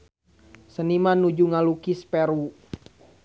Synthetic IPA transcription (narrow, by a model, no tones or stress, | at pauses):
sənimanud͡ʒuŋalukispɛɾu